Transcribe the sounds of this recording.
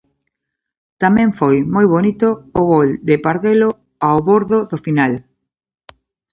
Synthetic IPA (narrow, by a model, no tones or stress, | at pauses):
t̪amɛ̃ŋfojmojβonit̪ʊːɣold̪ɪpaɾðelo | awβoɾðʊðʊfinal